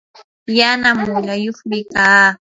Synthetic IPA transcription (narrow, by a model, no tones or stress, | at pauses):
janamʊʎajoχmɪkaː